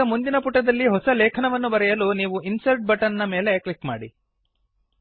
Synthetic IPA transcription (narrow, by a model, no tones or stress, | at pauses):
ɐmund̪inɐpuʈːɐd̪ɐlːiɦɔsɐlɛːkʰɐɳɐʋɐnːubɐɾɛjɐluniːʋuinsɐɾʈ̚bɐʈɐnnɐmeːle̞klikma̰ːɽḭ